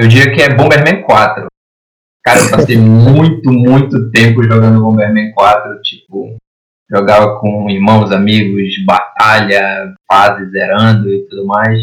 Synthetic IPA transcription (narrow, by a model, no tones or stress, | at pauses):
ewd͡ʒiɡɐkɪɛbõbeɦmẽkwat̪ɾʊ | kaɾɐewpasejmũj̃t̪ʊmũj̃t̪ʊt̪ẽmpʊʒoɡɐ̃nd̪ʊbõbehmẽkwat̪ɾʊt͡ʃi̥pʊ | ʒoɡavɐkʰõihmɐ̃w̃zamiɡʊzbat̪aʎɐfazɪzeɾɐ̃d̪ʊɪt̪ud̪ʊmajs